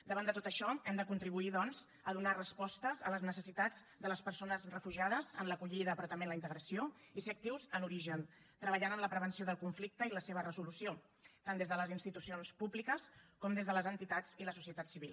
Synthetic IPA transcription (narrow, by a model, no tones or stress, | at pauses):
d̪əβand̪ət̪ot̪əʃɔɛmd̪əkunt̪ɾiβuiðɔnz | əðunarəspɔst̪əzələznəsəsit̪ad͡zd̪ələspəɾsonəzrəfuʒiað̞əzə̰nləkuʎiðəːpɾɔt̪əmenləint̪əɣɾəsio | iseək̚t̪iwzənuɾiʒən | t̪ɾəβ̞əʎanənləpɾəβənsioðəlˠkuɱflik̚t̪əiləseβ̞ərəzulusio | t̪and̪ezðələzinst̪it̪usionspublikəskɔmd̪ezðələzənt̪it̪ad͡ziləsusiət̪at̪siβilˠ